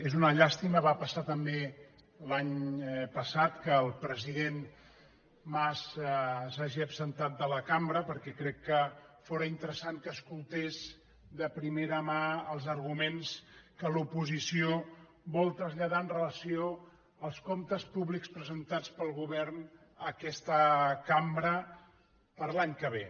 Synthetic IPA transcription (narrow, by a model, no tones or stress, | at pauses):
ezunəʎast̪iməβapəsat̪əmbe | laɲpəsat̪kəːlˠpɾəziðen | massaʒiəːpsənt̪at̪̚d̪ələkambɾəpəɾkɛkɾɛkːəfoɾəint̪əɾəsaŋkəːskulˠt̪ez | d̪əpɾimeɾəmaəlˠzəɾɣumenskəlupuzisio | βɔlˠt̪ɾəzʎəð̞aənrələsio | əlˠskomt̪əspuβlikspɾəzənt̪at͡spəlˠɣuβɛrn | əkɛst̪əkambɾə | pəɾlaɲkəβ̞e